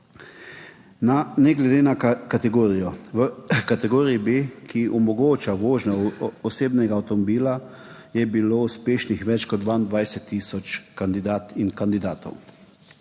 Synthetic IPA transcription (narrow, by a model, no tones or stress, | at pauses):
nanɛɡlɛd̪eːnakat̪ɛɡoːɾijɔʋəkat̪ɛɡoːɾijibeːkʰiʔɔmɔɡoːt͡ʃaʋoːʒnɔɔseːbnɛɡaːwt̪ɔmɔbiːla | jɛbiloːuspeːʃnixʋɛt͡ʃkɔd̪d̪ʋaind̪ʋajsɛt̪ːiːsɔt͡ʃkand̪id̪aːt̪inkand̪id̪aːt̪ɔ̰w